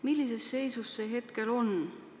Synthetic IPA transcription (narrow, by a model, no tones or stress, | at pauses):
milʲːise̞sːe̞jsusːe̞ɦe̞t̪ke̞lo̞n